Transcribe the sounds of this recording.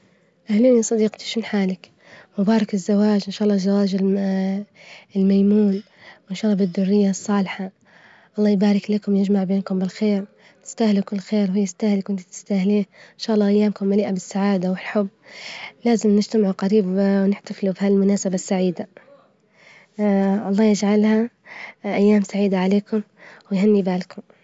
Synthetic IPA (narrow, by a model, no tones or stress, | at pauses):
ʔahluːnisˤɑd̪iːqt̪i̥ʃuːnħaːlɪk | mʊbaːɾˤɑkɪzːawaːd͡ʒʔɪnʃaːʔɑlːɑːzːawaːd͡ʒɪ | ɪlmajmuːn | wʔɪnʃaːlˤːɑːbɪd̪ːʊrːɪjːasˤːɑːlħa | ʔɑlˤːɑːjbaːɾˤɪklakʊmjɪd͡ʒmaʕbeːnkʊmbɪlxeːɾ | ɪ̥st̪ahlukɪlːxeːɾɦʊjːɪst̪ahlkwɪnt̪t̪ɪ̥st̪ahliːʔɪnʃaːʔlˤːɑːʔajːaːmkʊmːaliːʔabɪsːaʕaːd̪awɪlħʊbːlaːzɪmnɪd͡ʒt̪amʕuqaɾiːbwnɪħt̪aflubɪhallmʊnaːsabasːaʕiːd̪a | ʔɑlˤːɑːjɪd͡ʒʕalha | ʔajːaːmsaʕiːd̪aʕaleːkʊm | wɪjhanːibaːlkʊm